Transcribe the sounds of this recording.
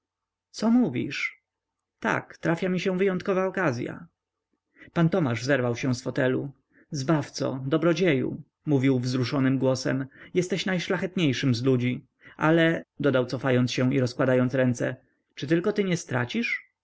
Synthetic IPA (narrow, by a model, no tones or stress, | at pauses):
t̪sɔmuvʲḭʂ | t̪a̰kt̪ɾafʲjamʲiɕɛ̃vɘjɔnt̪̚kɔvaɔkazʲja̰ | pant̪ɔmaʐzɛɾvawɕɛ̃w̃sfɔt̪ɛlu | zbaft̪sɔ̰d̪ɔbɾɔd͡ʑejṵ | muvʲiwvzɾuʂɔnɘmɡwɔsɛ̰mjɛst̪ɛɕnajʂlaxɛt̪ɲejʂɘmzlud͡ʑi | ʔalɛd̪ɔd̪awt̪sɔfajɔnt̪sɕɛw̃ḭɾɔskwad̪ajɔnt̪sɾɛnt̪sɛ̰ | t͡ʂɘt̪ɘlkɔt̪ɘɲɛst̪ɾa̰t͡ɕiʂ